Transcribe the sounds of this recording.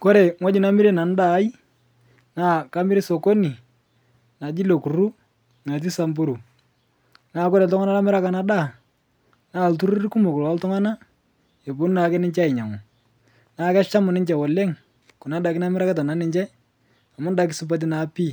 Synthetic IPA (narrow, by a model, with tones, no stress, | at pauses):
kɔ˦ɾe˨ŋwa˦d͡ʒi˨na˦mɪ˦ɾe˦na˨n˦da˨˦ji˦ | na˦˨ka˦mɪ˦ɾi˦so˨ko˦ni˨ | na˨d͡ʒi˦lo˨ku˨ɾu˦ | na˨t̬i˦sa˨mbu˦ɾu˨ | naː˦˨kɔ˦ɾe˨ltʊ˦ŋa˦na˦la˦mɪ˦ɾa˦ka˨na˦da˦˨ | naː˦˨ltu˦ɾu˦ɾku˦mo˨kʊ˨la˦ltʊ˦ŋa˦na˦ | e˨bo˦n˦naː˨˦kɛ˦nɪ˦ɲt͡ʃa˦ɪ˨ɲa˨ŋɔ˨ | naː˨˦˨kɛ˦t͡ʃa˦mʊ˨nɪ˦ɲt͡ʃɛ˨wɔ˨lɛ˦ŋ | kʊ˨na˨˦da˨kɪ˦na˦m˦ɾa˦ka˦ta˨na˨˦nɪ˦ɲt͡ʃɛ˦ | a˨ma˦n˦da˨k̬ɪ˦sʊ˦p̬a˦t̬i˦na˨˦pi˦˨